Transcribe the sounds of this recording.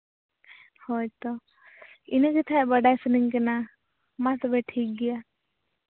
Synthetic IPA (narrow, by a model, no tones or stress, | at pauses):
hɔjt̪ɔ | inəkɛt̪ʰabəɖajsəniŋkɛna | mat̪ɔbɛʈʰik̚ɡɛja